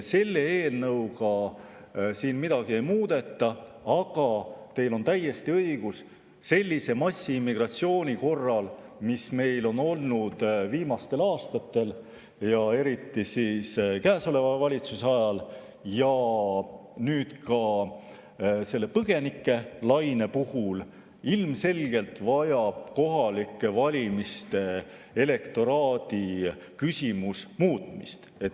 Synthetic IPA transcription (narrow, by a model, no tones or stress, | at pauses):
se̞lːe̞eːlnɤwkɑ | siːnmid̪̥ɑɡ̥ie̞jmuːd̪̥e̞t̪ːˑɑɑɡ̥ɑt̪e̞jlo̞nt̪æjːe̞st̪iɤiɡ̥us | se̞lʲːise̞mɑsʲːiimːiɡ̥rɑt̪sio̞ːnʲiko̞rːɑlmisme̞jlo̞no̞lnud̪̥viːmɑst̪e̞lɑːst̪ɑt̪ːˑe̞l | jɑe̞ɾit̪ːˑisiːskæːso̞le̞vɑvɑlʲit̪susɑjɑl | jɑ | nyːt̪kɑ | se̞lːe̞pɤɡ̥e̞nikˑːe̞lɑjnepuhul | ilmse̞lʲɡ̥e̞lt̪vɑjɑb̥̚ko̞ɦɑlikːˑevɑlʲimist̪e̞ | e̞le̞kt̪o̞ɾɑːd̪̥ikysʲimusmuːt̪ˑmḭst̪e̞t̪